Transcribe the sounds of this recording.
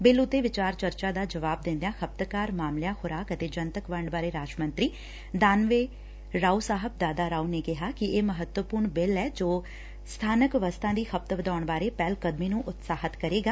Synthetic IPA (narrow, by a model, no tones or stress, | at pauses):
bɪlʊt̪ːeːʋɪt͡ʃaːɾt͡ʃəɾt͡ʃaːd̪aːd͡ʒəʋaːb̚d̪ɪ̃nd̪ejãːxʰəp̚t̪kaːɾmaːmlɪjãːxʊɾaːkət̪eːd͡ʒənt̪əkʋəɳɖbaːɾeːɾaːʃmə̃nt̪ɾiː | d̪aːnʋeː | ɾaːusaːɦəb̚d̪aːd̪aːɾaːuneːkɪɦaːkɪeːməɦət̪wəpuːɾɳbɪlɛːd͡ʒoː | st̪ʰaːnəkʋəst̪ʰãːd̪iːxʰəp̚t̪ʋəd̪aːʊɳbaːɾeːpɛːlkəd̪miːnũːʔʊt̪saːɦət̪kəɾeːɡaː